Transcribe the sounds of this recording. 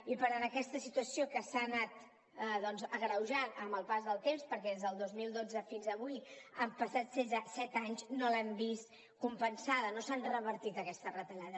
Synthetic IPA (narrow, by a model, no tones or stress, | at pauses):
ipəɾanəkɛst̪əsit̪uəsiokəsanat̪ | ðɔnzəɣɾəwʒanəmbəlˠpazðəlˠt̪emspəɾkɛðezðəlˠd̪ozmilˠd̪od͡zəfinzəβujəmpəsat̪senzəsɛt̪aɲznolɛmbist̪ | kumpənsaðənosanrəβəɾt̪it̪əkɛst̪ərət̪əʎaðə